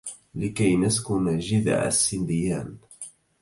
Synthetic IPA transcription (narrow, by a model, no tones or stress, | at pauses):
lɪkajnaskʊnaʒɪd̪a̰ʕa̰sːɪnd̪ɪjaːn